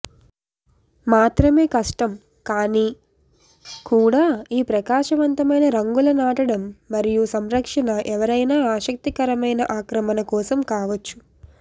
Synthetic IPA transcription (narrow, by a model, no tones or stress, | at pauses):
maːt̪ɾɐme̞ːkɐʂʈɐm | kaːniː | kuːɽaːiːpɾɐkaːʂɐʋɐnt̪ɐmɐjnɐɾɐŋɡulɐnaːʈɐɽɐmːɐɾijusɐmɾɐkʂɐnɐʔɛʋɐɾɐjnaːaːʃɐk̚t̪ikɐɾɐmɐjnɐ̰ʔaːkɾɐmɐnɐkɔːsɐmkaːʋɐt͡ʃːu̥